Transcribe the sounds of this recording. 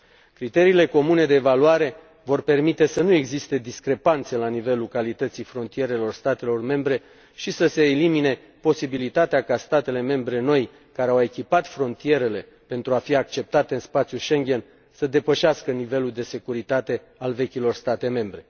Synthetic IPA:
kɾit̪e̞ɾiːle̞ko̞mune̞d̪e̞ːvaluwaɾe̞ | vo̞rpe̞rmit̪e̞sənue̞ɡzist̪e̞d̪iskɾe̞pant̪selanive̞lukalit̪ət̪sijfɾo̞nt̪ije̞ɾe̞lo̞rst̪at̪e̞lo̞rme̞mbɾe̞ | ʃisəse̞ːlimine̞ | po̞sibilit̪at̪eakast̪at̪e̞le̞me̞mbɾe̞no̞j | kaɾeawe̞kʲipat̪fɾo̞nt̪ije̞ɾe̞le̞ | pe̞nt̪ɾuafiak̚t͡ʃe̞p̚t̪at̪e̞ɨnspat̪sjuʃe̞ŋɡʲe̞n | səd̪e̞pəʃeaskənive̞luld̪e̞se̞kuɾit̪at̪e̞ | alve̞kʲilo̞rst̪at̪e̞me̞mbɾe̞

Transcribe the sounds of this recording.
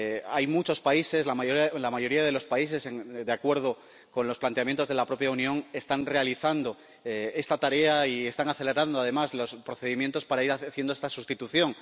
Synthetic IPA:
a̰jmut͡ʃo̞spaise̞slamalamaʝo̞ɾiað̞e̞lo̞spaise̞seŋd̪eakwe̞ɾð̞o̞ | ko̞nlo̞splant̪eamje̞nt̪o̞zðelapɾo̞pjaunjõ̞ŋe̞st̪anre̞aliθand̪o̞ | e̞st̪at̪aɾe̞aie̞st̪aŋaθe̞le̞ɾand̪oaðe̞mazlo̞spɾo̞θe̞ðimjent̪o̞spaɾaiɾaθje̞nd̪oe̞st̪asust̪it̪uθjõ̞ŋ

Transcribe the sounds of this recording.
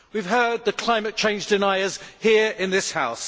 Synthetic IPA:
wiv̥ɦɜːd̪̚ðəkʰl̥aɪ̃mət̚t͡ʃʰẽɪ̃nd͡ʒdɪnaɪəz̥hiəɹɪ̃nðɪshaʊs

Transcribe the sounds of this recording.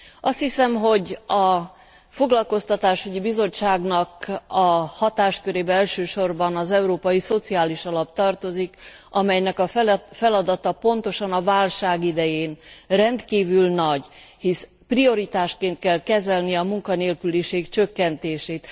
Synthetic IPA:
ɒst̪hisɛmɦo̞ɟɒ | fo̞ɡlɒlko̞st̪ɒt̪aːʃyɟibizo̞t͡ʃt͡ʃːaːɡnɒkɒhɒt̪aːʃkøɾeːbɛɛlʃøːʃo̞rbɒnɒzɛuɾoːpɒjiso̞t̪siaːliʃɒlɒpt̪ɒrt̪o̞zikʔɒmɛjnɛkɒfɛlɒd̪ɒt̪ɒpo̞nt̪o̞ʃɒnɒvaːlʃaːɡid̪ɛjeːnrɛnt̪kiːvylnɒɟhis | prio̞ɾit̪aːʃkeːnt̪kɛlkɛzɛlniɒmuŋkɒneːlkyliʃeːɡt͡ʃø̞kːɛnt̪eːʃeːt̪

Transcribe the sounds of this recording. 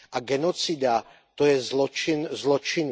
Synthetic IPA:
ʔaɡɛnɔt͡sid̪a | t̪ɔjɛzlɔt͡ʃinzlɔt͡ʃin

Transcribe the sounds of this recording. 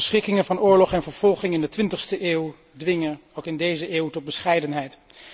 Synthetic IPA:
sχɪkɪŋənvɑnʊːɹlɔχɛnvəɹv̥ɔlˠχɪŋɪndətʋɪntəχstəʔeːw | dʋɪŋənowkɪndejzəʔeːwtɔt̚bəsχɛjdənɦɛjt

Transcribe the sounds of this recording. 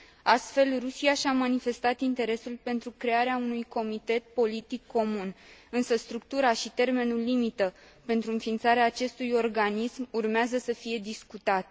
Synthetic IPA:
ast̪fe̞lrusiaʃamanife̞st̪at̪int̪e̞ɾe̞sulpe̞nt̪ɾukɾe̞aɾeaunujko̞mit̪e̞t̪̚po̞lit̪ikːo̞munɨnsəst̪ɾukt̪uɾaʃit̪e̞rme̞nulːimit̪ə | pe̞nt̪ɾuɨnfint̪saɾeaːt͡ʃe̞st̪ujo̞rɡanismurmeazəsəfije̞d̪iskut̪at̪

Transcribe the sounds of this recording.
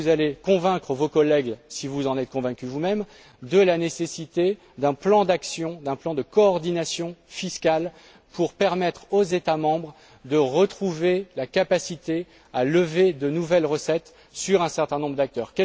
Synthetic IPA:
uzalekɔ̃vɛ̃kχəvokɔlɛɡsivuzɑ̃nɛt̪̚kɔ̃vɛ̃kʲyvumɛm | d̪əlanesesit̪e | d̪ɛ̃plɑ̃d̪aksjɔ̃d̪ɛ̃plɑ̃d̪əkɔːʁd̪inasjɔ̃fiskʲal | pʰuʁpɛʁmɛt̪χozet̪amɑ̃bʁ | d̪əʁət̪χuvelakapasit̪e | aləved̪ənuvɛlʁəsɛt̪ | syʁɛ̃sɛʁt̪ɛ̃nɔ̃bʁəd̪ak̚t̪œːʁkɛ

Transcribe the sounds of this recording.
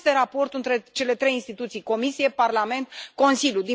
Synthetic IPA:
st̪eɾapo̞rt̪ɨnt̪ɾe̞t͡ʃe̞le̞t̪ɾe̞jinst̪it̪ut̪sijko̞misijeparlame̞nt̪ko̞nsilʲjud̪i

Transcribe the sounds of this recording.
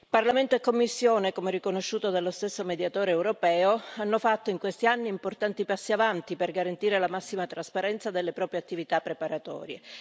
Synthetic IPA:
parlament̪oekːomːisːjoːnekomerikonoʃːuːt̪od̪alːost̪esːomed̪jat̪oːɾeːwɾopɛːoanːofat̪ːoiŋkwest̪ianːiːmport̪ant̪ipasːiavant̪iperɡaɾant̪iːɾelamasːimat̪ɾaspaɾɛnt̪sad̪elːepɾɔːpɾjeat̪ːivit̪apːɾepaɾat̪ɔ̰ːɾje

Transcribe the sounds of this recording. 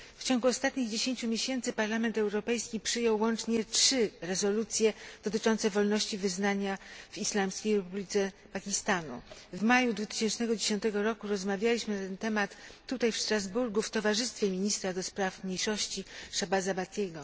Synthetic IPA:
ft͡ɕɔŋɡuɔst̪at̪ɲiɣd͡ʑeɕeɲt͡ɕumʲjeɕɛnt̪sɘpaɾlamɛnt̪ɛwɾɔpɛjskʲipʂɘjɔwːɔnt͡ʂɲɛtʂɘɾɛzɔlut̪sʲjɛd̪̥ɔt̪ɘt͡ʂɔnt̪sɛvɔlnɔɕt͡ɕivɘznaɲavislamskʲejɾɛpublʲit̪sɛ | pakʲist̪anṵvmajud̪vut̪ɘ̥ɕɛnt͡ʂnɛɡɔd͡ʑeɕɔnt̪ɛɡɔɾɔkuɾɔzmavʲjalʲiɕmɘnat̪ɛnt̪ɛmat̪ːut̪ajfʂt̪ɾazbuɾɡuft̪ɔvaʐɘst̪fʲjɛmʲiɲist̪ɾad̪ɔspɾafmɲejʂɔɕt͡ɕiʂabazabat̪ʲkʲɛɡɔ

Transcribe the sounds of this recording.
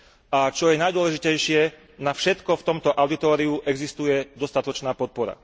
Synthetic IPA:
ʔat͡ʃɔjɛnajd̪ʊɔlɛʒicɛjʃɪɛ | nafʃɛt̪kɔft̪ɔmt̪ɔʔaʊd̪it̪ɔːɾiuʔɛɡzist̪ujɛd̪ɔst̪at̪ɔt͡ʃnaːpɔt̪̚pɔɾa̰

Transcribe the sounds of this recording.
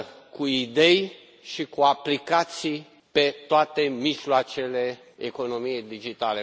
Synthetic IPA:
kuid̪e̞j | ʃikuaplikat̪sij | pe̞t̪oat̪e̞miʒloat͡ʃe̞le | eko̞no̞mijejd̪id͡ʒit̪ale

